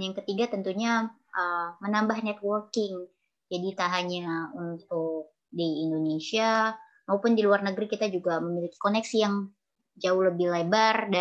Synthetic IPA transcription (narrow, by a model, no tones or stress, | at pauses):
jaŋkət̪iɡat̪ənt̪uɲa | ʔəmənambahnɛt̪̚wɔrkɪŋ | d͡ʒadit̪aɦaɲaunt̪ʊk̚diːndonesia | maupʊndiluarnəɡɾikit̪ad͡ʒuɡaməmiliki̥konɛksjaŋ | d͡ʒaʊhləbɪhlabərda